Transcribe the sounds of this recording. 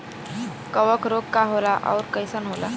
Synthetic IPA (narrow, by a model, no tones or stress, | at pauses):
kəʋəkɾoɡkaɦolaʔa̰wɾkəjsənɦola̰